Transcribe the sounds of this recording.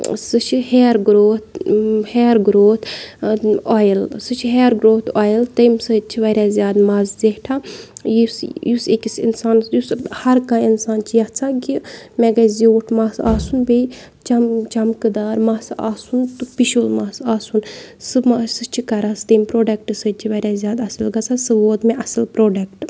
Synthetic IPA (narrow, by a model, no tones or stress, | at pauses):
sɨt͡ʃʰiheːɾɡɾoːt̪̚ʰheːɾɡɾoːt̪ | oːjlsɨt͡ʃʰiɦeːɾɡɾoːt̪ʰaːjlt̪ɐjmsɨt͡ʃʰiʋɐɾʲaːzʲjaːd̪mazzeʈʰaːjisjusekʲisḭnsaːnsjushɐɾkãːinsaːnt͡ʃʰijat͡sʰãːɡimeɡazʲiʈʰmasaːsunbej | t͡ʃɐmt͡ʃɐmkɨd̪aːɾmɐsaːsunt̪upiʃulmaːsaːsunsɨmasɨt͡ʃʰikɐɾaːst̪ɐjmpɾoːɖɐkʈɨsəd̪̚t͡ʃʰiʋɐɾʲaːzʲjaːd̪ɐsɨlɡɐt͡sʰasɨʋoːd̪meʔɐsɨlpɾoːɖɐkʈ